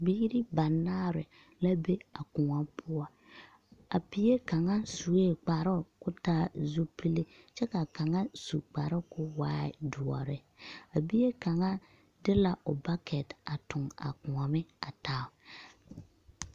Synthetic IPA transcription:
bi˦ɾɪ˦ba˨nːaː˦ɾɪ˨ | la˦be˦a˨kʊ˨ŋa˦mpʰʊ˦ɔ˦ | a˨pi˨˦je˦ka˨ŋa˦su˨e˦˨k͡pa˨ɾʊ˦kʊ˦taː˦zu˦pi˦le˦ | t͡ʃɛ˦ka˨ka˨ŋa˦sṵ˨k͡pa˨ɾʊ˦kʊ˦waː˦ɪ̰˦˨du˨ɔ̰˨ɾɪ˦ | a˨bi˦e˦ka˨ŋa˦ | dɪ˦la˨ʊ˨ba˦kʰɛ˨ta˨tʊ˨ŋa̰˨kʊ˨ŋa˨mɪ˦a˨taː˦˨

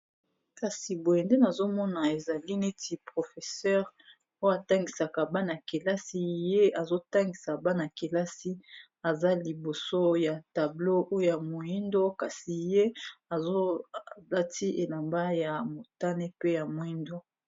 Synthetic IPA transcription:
ka˨si˨bo˨je˨nde˦na˨zo˦mɔ˦na˨e˨za˨li˦ne˦ti˨pʁo˨fɛ˨sɛ˦ʁ | o˦ja˨ta˦ŋɡi˨sa˨ka˨ba˦na˨ke˨la˦si˦je˦a˨zo˦ta˦ŋɡi˨sa˨ba˦na˨ke˨la˦si˦ | a˨za˦li˨bo˨so˦ja˨ta˨blo˦o˦jo˦˨ja˨mo˨ji˦ndo˦ka˨si˨je˦a˨zo˦la˦ti˦ʔe˨la˨mba˦ja˨mo˨ta˦ne˦pe˦ja˨mo˨i˦ndo˦

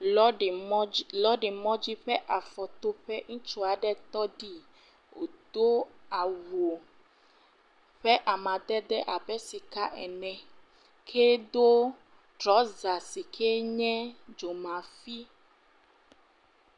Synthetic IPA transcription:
lɔ˦ɖe˨mɔ̃˦d͡ʑi˦ɸɛ˦ʔa˨fɔ˨t̪o˦ɸɛ˦ŋ̩̃˦t͡ʃo˦a˨ɖɛ˦t̪ɔ˦ɖi˦ | o̰˨d̪̥o˦a˨wo˨ | ɸɛ˦ʔa˨mã˨d̪ɛ˦d̪ɛ˦ʔa˨bɛ˦si˨ka˦ʔɛ̰˨nɛ̃˨ | kʰe˦d̪o˦ | tɾɔ˨˦za˨si˨kʰe˦ɲɛ̃˦d͡ʒo˨mã˨fi˦

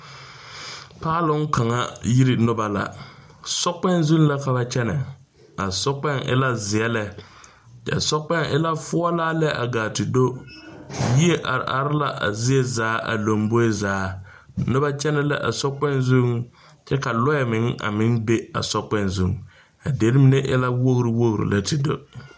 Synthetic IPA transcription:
paː˦lʊ˦ŋ˦ka˨ŋa˦ji˦ɾɪ˨nʊ˦ba˦la̰˨ | sɔ˦k͡pɛ˦n˦zu˦ŋla˦ka˨ba˦t͡ʃɛ˦nɛ˨ | a˨sɔ˦k͡pɛ˦ŋʔɪ̰˦la˦zɪ˨ɛ˦lɛ˦ | t͡ʃɛ̰˨sɔ˦k͡pɛ˦ŋʔɪ̰˦la˦fʊ˦ɔ˦laː˦lɛ˦ʔa̰˨ɡaː˨tɪ˨do˦ | ji˦e˦ʔa˨a˨ɾɪ˦la˦ʔa̰˨zɪ˦ɛ˦zaː˨˦ʔa̰˨lo˨mbo˦e˦zaː˨˦ | nʊ˦ba˦t͡ʃɛ˦nɛ˦lɛ̰˦ʔa̰˨sɔ˦k͡pɛ˦nzu˦ŋ | t͡ʃɛ˦ka˨lɔ˦ɛ˨mɪ˨˦ŋa̰˨mɪ˦nbe˦a̰˨sɔ˦k͡pɛ˦nzu˦ŋ | a˨de˨˦ɾɪ˦mɪ˦ne˦ʔɪ̰˦la˦wo˦ɣɾɪ˨wo˦ɣɾɪ̰˨la˦tʰɪ˨do̰˦

